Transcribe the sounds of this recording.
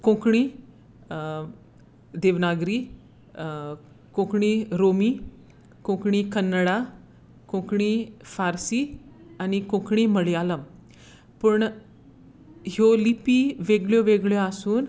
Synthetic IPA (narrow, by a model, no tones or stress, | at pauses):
kõkɳ̃i | d̪eʋnaɡɾiː | kõkɳiɾomiː | kõkɳikənːəɽa | kõkɳifaɾsi | anikõkɳiːməɭijaləm | pəɳ | ɦjolipiʋeɡɭjɔʋeɡɭjɔasuːn